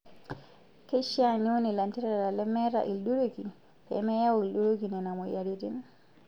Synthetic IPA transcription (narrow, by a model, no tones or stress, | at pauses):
keʃianiwonilantiɾaɾalɛmɛɾa̰ʔilduɾoɡi | ɛ̰mɛjawilɗuɾoɡinɛnamɔjaɾidin